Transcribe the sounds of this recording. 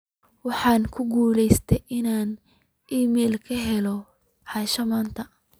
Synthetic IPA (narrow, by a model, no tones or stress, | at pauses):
wɑħɑːnkʰʊɡuːlɛjst̪ʰɛjʔɪnaːn | ʔiːmɛːlkʰɐɦɛlɔ | ħɑʃɐmaːnt̪ʰɐ